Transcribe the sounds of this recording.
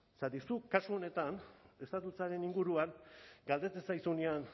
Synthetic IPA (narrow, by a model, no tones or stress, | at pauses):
sat̪isukasuo̞ne̞t̪ane̞st̪at̪ut͡saɾe̞niŋɡuɾuaŋɡald̪e̞t͡sesajsunian